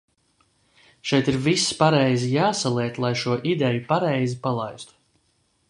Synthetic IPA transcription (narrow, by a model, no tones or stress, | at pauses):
ʃɛjt̪iɾvisːpaɾɛjzijaːsalˠiɛt̪lˠajʃuɔʔid̪ɛjupaɾɛjzipalˠajst̪u̥